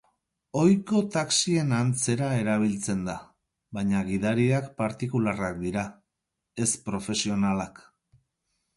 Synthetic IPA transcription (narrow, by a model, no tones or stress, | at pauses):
o̞jko̞t̪aksie̞nant͡se̞ɾae̞ɾaβ̞ilt͡se̞nd̪a | βaɲaɣiðaɾiakpaɾt̪ikularak̚d̪iɾa | e̞spɾo̞fe̞sio̞nalak